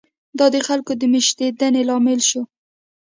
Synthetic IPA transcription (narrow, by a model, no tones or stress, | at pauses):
d̪ɑd̪əxalkod̪əmɪʃt̪ed̪anelɑmɪlʃo